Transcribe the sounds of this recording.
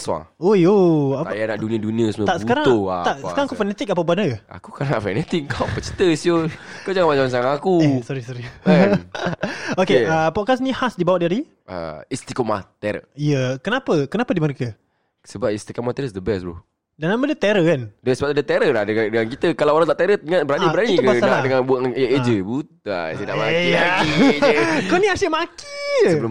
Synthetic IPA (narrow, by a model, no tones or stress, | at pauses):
swã̰ŋojoaajanaʔdunĩədunĩəsəmt̪aʔsəukaɾaŋoa̰aʔsəkaŋakufɛnɛt̪ik̚apabanəa̰kukanaʔfɛnɛt̪ik̚ːawpət͡ʃə̥t̪əsokawd͡ʒaŋamat͡ʃaŋt͡ʃaŋakusɔɾisɔɾiɛ | okeəpɔt̚kasnĩhasdibawat̪̚daɾi | ə̰ist̪ikomat̪ɛɾə̰ijəkənapəkənapədiməɾekə | səbap̚ist̪ikomat̪ɛɾəsd̪əbɛslṵ | danamədət̪ɛɾəkandəsəbaadət̪ɛɾəlahdəadəŋank̬it̪əkalawoɾaŋt̪aʔt̪eɾəəŋanbəɾaniəɾaniukbaaladəŋanbaʔed͡ʒəbut̪a̰səda̰ʔmaiaki | koniasəʔmaki̥əbəl